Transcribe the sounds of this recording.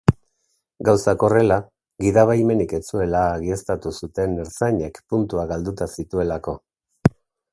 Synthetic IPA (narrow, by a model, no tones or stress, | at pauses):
ɡawsako̞re̞la | ɡiðaβ̞ajme̞nike̞t͡sue̞laːɣie̞st̪at̪usut̪e̞neɾsajɲe̞kpunt̪uaɣald̪ut̪asit̪ue̞lako̞